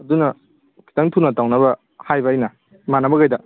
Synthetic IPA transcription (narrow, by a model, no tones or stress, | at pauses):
ɐdunɐ | kʰi̥tɐŋtʰunɐtawnɐbɐ | hajbɐɐjnɐ | manɐbɐkajdɐ